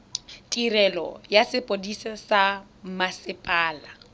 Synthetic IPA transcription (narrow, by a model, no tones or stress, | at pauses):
tʼirɛlɔ̰jasɪpʼodisasa | masɪpʼaːla